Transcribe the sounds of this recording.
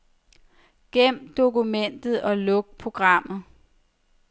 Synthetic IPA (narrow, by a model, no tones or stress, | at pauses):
ɡ̥em̰d̥o̝kumen̰d̥ð̩ˠɒ̽lɔ̽ɡ̥̚pʰʁo̝ɡ̥ʁɑ̈m̰ð̩ˠ